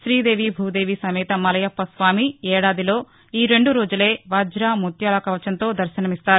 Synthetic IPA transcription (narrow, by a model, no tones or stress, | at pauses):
ʃɾiːd̪e̞ːʋibʱuːd̪e̞ːʋisɐmɛːt̪ɐmɐlɐjɐpːɐsʋaːmiɛːɽaːd̪ilo̞ː | iːɾe̞ɳɖuɾoːd͡ʒule̞ːʋaːd͡ʒɾaːmut̪jaːlɐkɐʋɐt͡ʃɐnt̪o̞ːd̪ɐɾʃɐnɐmist̪aːɾ